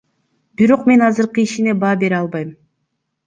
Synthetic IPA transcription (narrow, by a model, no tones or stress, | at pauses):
biɾo̞qme̞nɑzɯɾqɯiʃine̞bɑːbe̞ɾɑlˠbɑjm